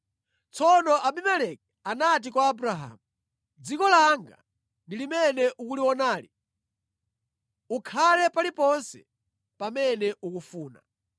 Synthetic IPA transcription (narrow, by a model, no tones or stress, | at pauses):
t͡sɔnɔʔaɓimɛlɛk̚ | anat̬ikwaːbuɾaɦa̰ːmu | d͡zikɔlaŋɡa̰ | ndilimɛnɛʔukuliwɔnaːli | ukʰalɛpalipɔnsɛ̰ | pamɛnɛʔukufuːna̰